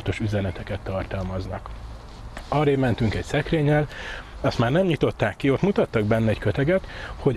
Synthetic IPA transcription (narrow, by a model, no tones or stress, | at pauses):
t̪o̞ʃyzɛnɛt̪ɛkɛt̪ːɒrt̪ɒlmɒznɒk | ɒːɾeːmɛnt̪yŋkɛcsɛkreːɲːɛlɒst̪maːrnɛmɲit̪o̞t̪ːaːkːio̞t̪mut̪ɒt̪ːɒɡ̚bɛnːɛɛɟkøt̪ɛɡɛt̪ho̞ɟ